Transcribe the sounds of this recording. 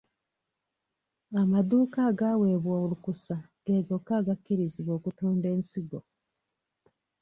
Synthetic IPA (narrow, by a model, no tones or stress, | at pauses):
amad̪uːkaːɡaːwe̞ːβwoːulukusa | ɡe̞ːɡo̞kːaːɡakːiɾiziβwo̞ːkutuːnde̞ːnsiɡo